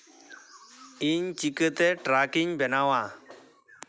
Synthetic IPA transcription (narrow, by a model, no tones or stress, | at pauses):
iɲt͡ʃikət̪eʈɾaːkiɲbʱɛnawa